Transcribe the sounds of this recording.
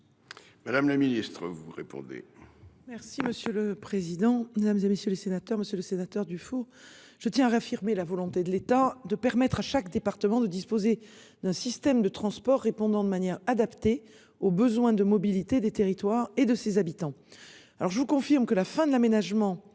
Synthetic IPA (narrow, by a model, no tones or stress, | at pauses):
mad̪amlaminist̪χəvuʁḛpɔ̰̃d̪ḛmɛʁsiməsjøləpχezid̪ɑ̃med̪amzemesjølesenat̪œʁməsjøləsenat̪œʁd̪yfo | ʒ̥ət̪jɛ̃aʁafiʁmelavɔlɔ̃t̪ed̪əlet̪ad̪əpɛʁmɛt̪χaʃakd̪epaʁt̪əmɑ̃d̪əd̪ispoze | d̪̥ɛ̃sist̪ɛmd̪ət̪χɑ̃spɔʁːepɔ̃d̪ɑ̃d̪əmanjɛʁad̪apt̪e | obəzwɛ̃d̪əmɔbilit̪ed̪et̪eʁit̪waʁed̪əsezabit̪ɑ̃ | alɔʁʒəvukɔ̃fiʁmkəlafɛ̃d̪əlamenaʒmɑ̃